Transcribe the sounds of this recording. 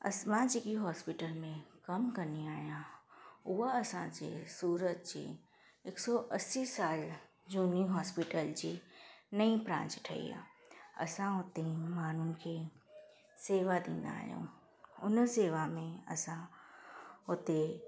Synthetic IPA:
ɐ̰sʋãd͡ʒekiɦɔːspɪʈəlmẽkɐmkɐniaːijãʊɦaɐsãd͡ʒḛsuːɾəd͡ʒt͡ʃḛ | ɪksɔʔɐsisaːl | d͡ʒuːniɦɔːspɪʈəld͡ʑiːnɐipɾã̰ːnt͡ʃʈʰɐ̰ḭã̰ɐ̰sãɦʊt̪emaːnũkʰe | seːʋad̪ḭ̃ːnd̪a̰ːɦjõ̰ː | ʊnseːʋamẽɐ̰sã | ɦʊt̪e

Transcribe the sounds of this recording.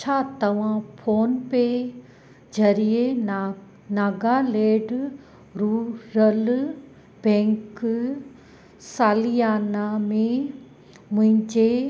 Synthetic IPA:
t͡ɕʰaːt̪ɐʋ̤ãpʰoːnpe | d͡ʑɐɾie | naːɡaleːɖ | ɾuːɾɐl | bɛ̃ːŋk | saːlijaːnamẽ | mʊ̃ɦɪ̃ɲd͡ʑe

